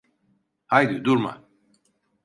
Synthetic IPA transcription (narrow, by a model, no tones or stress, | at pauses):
hajd̪yd̪uɾma̰